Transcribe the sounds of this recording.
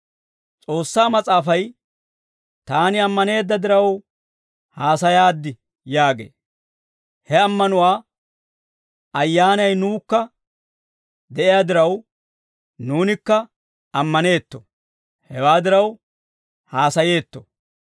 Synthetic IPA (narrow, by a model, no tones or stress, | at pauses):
t͡sʼo̞ːsːaːmɐt͡sʼaːfɐj | t̪aːnɪɐmːɐne̞ːd̪ːɐd̪ɪɾɐw | haːsɐjaːd̪ːɪ | jaːɡḛː | hɛɐmːɐnʊwaː | ɐjːaːnɐjnuːkːɐ | d̪ɛʔɪjaːd̪ɪɾɐw | nuːnɪkːɐ | ɐmːɐne̞ːt̪ːɔ̥̰ | hɛwaːd̪ɪɾɐw | haːsɐje̞ːt̪ːɔ̥̰